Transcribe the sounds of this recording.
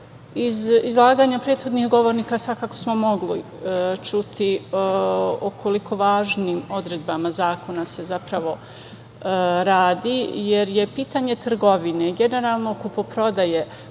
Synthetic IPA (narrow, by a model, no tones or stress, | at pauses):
izizlˠaːɡaɲapɾeːt̪xo̞d̪nihɡo̞ʋo̞ɾniːkasʋakako̞smo̞mo̞ɡli | t͡ʃut̪i | okʰo̞likʰo̞ʋaːʒniːmo̞d̪ɾe̞d̪bamazaːko̞nase̞zapɾaʋo̞ | ɾaːd̪ije̞ɾjepiːt̪aɲe̞t̪r̩ɡo̞ʋineɡe̞ne̞ɾaːlˠnokupopɾo̞d̪aje̞